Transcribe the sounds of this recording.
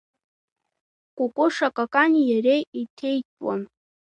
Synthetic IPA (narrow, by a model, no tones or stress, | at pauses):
kʷʼʊkʷʼʊʂakʼakʼanjarejitʰejtʼwa̰n